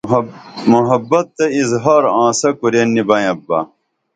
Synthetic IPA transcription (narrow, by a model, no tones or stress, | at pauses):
muɦɐbːɐt̪ːɐizɦɐːɾãːsɐkuɾenːibɐj̃ɐbːɐ̰